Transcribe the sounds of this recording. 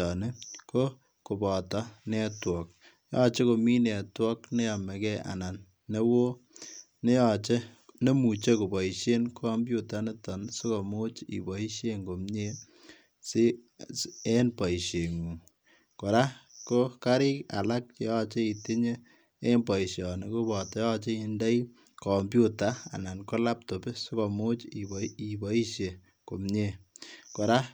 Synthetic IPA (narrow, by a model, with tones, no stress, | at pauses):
ɔ˨ne˦ko˦ | ko˨bɔ˨tɔ˦nɛ˦twɔ˨k̚ | jɔ˦t͡ʃe˦ko˨mi˦nɛ˨twɔ˦kne˦jɔ˨me˨kɛ˦a̰˨na˨nː | e˦wo˦ | ne˦jɔ˨t͡ʃe˦ne˦mu˨t͡ʃe˦ko˨bɔ˨i˨ʃe˦nkʰɔ˦mbju˦ta˨˦ne˦tɔ˨nso˦ko˨mo˦t͡ʃḭ˨bɔ˨i˦ʃje˦ŋɡo˨mɲe˦ | se˦ | e˦npɔ˨i˨ʃe˨ŋu˨ | ko˨ɾa˦ko˦ka˦ɾɪ˦ka̰˨la˦k̚t͡ʃe˦jɔ˦t͡ʃe˦i˨te˦ɲe˦ | e˦npɔ˨i˨ʃɔ˨ne˨ko˦bɔ˨tɔ˦jɔ˦t͡ʃe˦i˧nda˦i | kɔ˨mbju˦ta˨˦a̰˨na˨nko˦la˦p̚to˨be˦so˦kɔ˨mo˦t͡ʃi˨i˨bɔ˨˦i˦ʃje˨ | ko˨mɲe˦˨ko˨ɾa˦